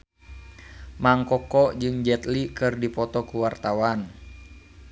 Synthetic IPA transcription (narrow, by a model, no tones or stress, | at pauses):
maŋkɔkɔd͡ʒɨŋd͡ʒɛt̪likɨrdipɔt̪ɔkuwart̪awan